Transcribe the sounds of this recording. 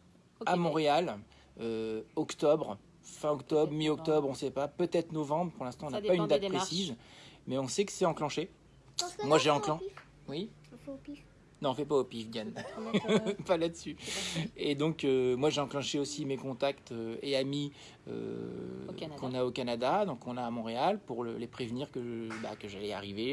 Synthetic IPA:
amɔ̃ʁeal | øɔkt̪ɔbʁ | fɛ̃ɔkt̪ɔbʁmiɔk̚t̪ɔbʁɔ̃sɛpapøt̪ɛt̪χnɔvɑ̃bʁpuʁlɛ̃st̪ɑ̃ɔ̃napaynd̪at̪d̪χesizmɛɔ̃sɛkə̥sɛɑ̃klɑ̃ʃe | mwaʒeɑ̃klɑ̃ | wi | nɔ̃fɛpaopifɡjan | palad̪əsy | ed̪ɔ̃kømwaʒeɑ̃klɑ̃ʃeosimekɔ̃t̪akt̪øeami | ø̰ | kɔ̃naokanad̪ad̪ɔ̃kʰɔ̃naːmɔ̃ʁealpuʁlə̰lepχevniʁkəba̰kəʒalɛa̰ʁive

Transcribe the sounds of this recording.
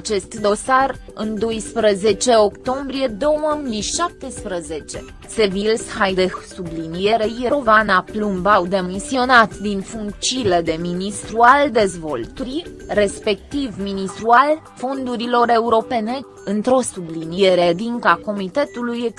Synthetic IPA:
at͡ʃe̞st̪d̪o̞sarɨnd̪o̞jspɾəze̞t͡ʃe̞o̞kt̪o̞mbɾije̞d̪o̞wəmijʃap̚t̪espɾəze̞t͡ʃe̞ | se̞vilshajd̪esublinije̞ɾe̞jeɾovanaplumbawd̪e̞misio̞nat̪d̪infuŋkt͡ʃiled̪e̞minist̪ɾuald̪e̞zvo̞lt̪uɾire̞spe̞k̚t̪ivminist̪ɾual | fo̞nd̪uɾilo̞ɾe̞uɾo̞pe̞ne̞ | ɨnt̪ɾo̞sublinie̞ɾed̪iŋkako̞mit̪e̞t̪ulujek

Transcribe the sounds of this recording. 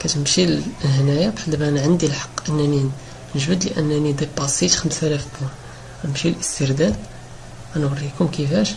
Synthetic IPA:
kæt̪əmʃilhnæjabħəd̪bænʕənd̪ilħɑ̥qːʔənːæni | nəʒbəd̪lʔənːænid̪ibɑsˤit̪xəmsælæfb̪u | nəmʃilʔəst̪əɾd̪æd̪̚ | ænwərˤːikʊmkəfæʃ

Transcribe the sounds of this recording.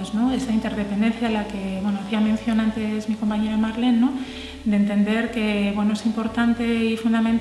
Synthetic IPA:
znoesaint̪e̞ɾðepend̪e̞n̟θjalake̞βwenoaθiamẽnθjo̞nãnt̪e̞zmiko̞mpaɲe̞ɾomaɾlenːo | d̪ent̪e̞nd̪e̞ɾke̞βwe̞noesimpo̞ɾt̪ant̪e̞ifund̪amẽnt̪

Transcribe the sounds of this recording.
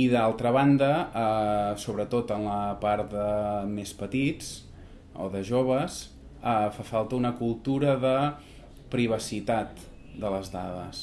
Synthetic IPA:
iðalˠt̪ɾəβand̪əəsoβɾət̪ot̪ənləpaɾt̪̚d̪əmespət̪it͡s | o̰ðəʒoβ̞əs | əfafalˠt̪əunəkulˠt̪uɾəðə | pɾiβ̞əsit̪at̪ | d̪ələzðaðə̰s

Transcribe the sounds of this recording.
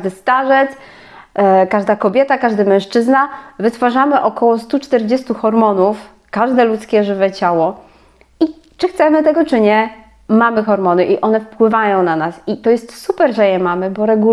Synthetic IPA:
d̪ɘst̪aʐɛt̪s | kaʐd̪akɔbʲjɛt̪akaʐd̪ɘmɛ̃w̃ʂt͡ʂɘznavɘt̪faʐamɘʔɔkɔwɔst̪ut͡ʂt̪ɛɾd͡ʑɛst̪uxɔɾmɔnuf | kaʐd̪ɛlut̪skʲɛʐɘvɛt͡ɕawɔ | i | t͡ʂɘxt̪sɛmɘt̪ɛɡɔt͡ʂɘɲɛ | mamɘxɔɾmɔnɘʔiʔɔnɛfpwɘvajɔ̃w̃nanasit̪ɔjɛst̪supɛɾʐɛjɛmamɘbɔɾɛɡu

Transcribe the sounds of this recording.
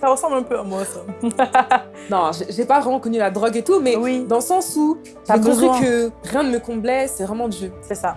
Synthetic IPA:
saʁəsɑ̃blɛ̃pøamot̪χ | nɔ̃ʒeʒepavʁɛmɑ̃kɔnylad̪ʁɔɡet̪umɛwid̪ɑ̃ləsɑ̃su | ʒekɔ̃pχikəʁjɛ̃d̪əməkɔ̃blɛsɛvʁɛmɑ̃d̪ʒøsɛsa

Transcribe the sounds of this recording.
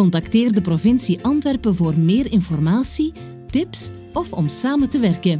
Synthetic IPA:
ɔntɑkteːrdəprovɪnsiʔɑntʋɛrpənvoːrmeːɾɪnfɔrmaːsi | tɪps | ɔfɔmsaːməntəʋɛrkən

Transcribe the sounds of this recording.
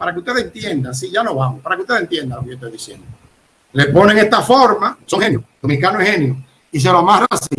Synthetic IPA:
paɾakeust̪eðeent̪jend̪as̬iʝanoβamospaɾakeust̪eðent̪jend̪alokejot̪oajðisjend̪o | lepo̞neŋest̪afoɾmasoŋhenjosumikanoehenjo | is̬eloamarasi

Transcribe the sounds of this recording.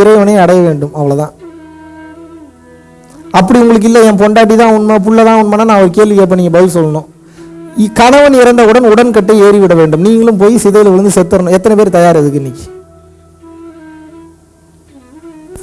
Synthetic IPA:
ɪɾɐɪʋɐnɐɪɐɽɐjɐʋeːɳɖɯmɐʋɐɭɐðãː | ɐpːɐɽiʊŋɡɐɭɯk̬ːɪlːɐɛnp̬ɔɳɖaːʈ̬ːiðãːɐʋɐnmap̬ʊɭːɐðãːɐʋɐnmaɐnaːnãːɐʋɐɾɯkeːlʋiɛp̬ːɐːniːŋɡɐbɐðɪlsɔlːɐnõː | ikɐɳɐʋɐnɪɾɐnd̪ɐʊɽɐnʊɽɐnkɐʈːɐeːɾiʋɪɽɐʋeːɳɖɯmniːŋɡɐɭɯmpoːjisɪðɐjɪlʋɪɭɯnd̪ɯsɛt̪ːɯɾɐnʊ̃ɛt̪ːɐnɛpeːɾt̪ɐjaːɾɛðɯk̬ːɯɪnːɪkːɯ̥

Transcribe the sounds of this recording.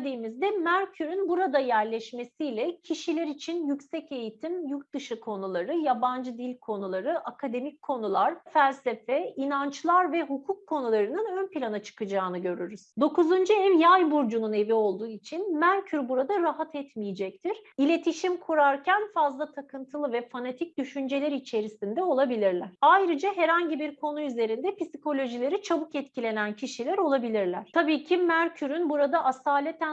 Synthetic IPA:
d̪iːmizd̪ɛmæɾcʰyɾynbuɾad̪ajæɾlʲɛʃme̞sijlʲɛcʰiʃilʲɛɾit͡ʃʰinjycsɛce̞jit̪ʰimjuɾt̪̚d̪ɯʃɯkʰo̞nulˠaɾɯjaband͡ʒɯd̪ilʲkʰo̞nulˠaɾɯʔakʰad̪e̞mic̚ʲkʰːo̞nulˠaɾ̥fælʲse̞fɛinant͡ʃlˠaɾvɛɦukʰukʰːo̞nulˠaɾɯnɯnø̞npilʲanat͡ʃʰɯ̥kɯd͡ʒaːnɯɟø̞ɾyɾyz̥d̪o̞kuzund͡ʒuɛvjajbuɾd͡ʒunune̞vio̞lˠd̪uːit͡ʃʰinmæɾcʰyɾbuɾad̪aɾaɦat̪ʰɛt̪mijid͡ʒɛct̪ʰiɾ̥ilʲe̞t̪ʰiʃimkʰuɾaɾcʰænfazlˠat̪ʰakʰɯnt̪ʰɯlˠɯvɛfanat̪ʰic̚d̪yʃynd͡ʒe̞lʲæɾit͡ʃʰe̞ɾisind̪ɛo̞lˠabilʲiɾlʲæɾ̥ajɾɯd͡ʒaɦɛɾhaɲɟibiɾkʰo̞nuyze̞ɾind̪ɛpisi̥ko̞lʲo̞ʒilʲe̞ɾit͡ʃʰabukɛt̪cʰilʲe̞næncʰiʃilʲæɾo̞lˠabilʲiɾlʲæɾ̥t̪ʰabiːcʰimæɾcʰyɾynbuɾad̪aʔasaːlʲɛt̪ʰæ

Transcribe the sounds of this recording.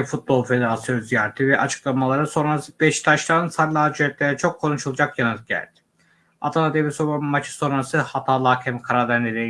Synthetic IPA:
fut̪̚bo̞lˠfe̞d̪eɾasijonzijaːɾt̪ʰivɛʔat͡ʃʰɯ̥klˠamalˠaɾɯso̞nɾasɯb̥ɛʃt̪ʰaʃlˠaɾnɯnsaɾlʲˠaːd͡ʒyɾɛt̪̚lʲeɾɛt͡ʃʰo̞kʰːo̞nuʃulˠɯd͡ʒakjanɯt̪̚ɟæ̰lʲd̪̥i̥ | a̰t̪ʰalad̪evisobammːat͡ʃʰɯ̥so̞nɾasɯhat̪ʰaːlˠaːkʰɛmkʰaɾaɾlæɾned̪e

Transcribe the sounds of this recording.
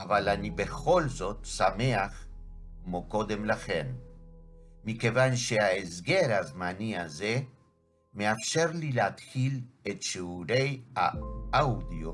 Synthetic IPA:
avalanibe̞χo̞lzo̞t̪same̞aχmoko̞d̪e̞mlaχe̞nː | ike̞vanʃeaesɡe̞ɾhazmanihaze̞ | meafʃe̞ʁlilehat̪χilet̪ʃeuɾe̞ja̰awd̪io

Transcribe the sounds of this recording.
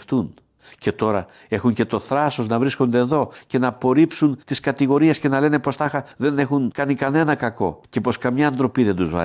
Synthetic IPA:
ft̪un | ce̞t̪o̞ɾɐ | e̞xuŋce̞t̪o̞θɾɐso̞znɐvɾisko̞nd̪e̞ːðo̞ce̞nɐːpo̞ɾipsunt̪iskɐt̪iɣo̞ɾie̞sce̞nɐle̞ne̞po̞st̪ɐxɐðe̞ne̞xunkɐnikɐne̞nɐkɐko̞̰ce̞po̞skɐmɲɐːnd̪ɾo̞piðe̞nd̪uzvɐ̰

